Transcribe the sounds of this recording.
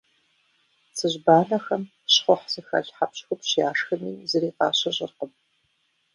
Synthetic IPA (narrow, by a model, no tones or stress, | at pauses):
sʰɨʑbaːnɐxɐm | ɕχʷɔħsɨxɐɮħapɕxʷʊpɕjaːʂxɐmiːzɨriːqɑ̰ːɕɐɕʼɪ̰rqəm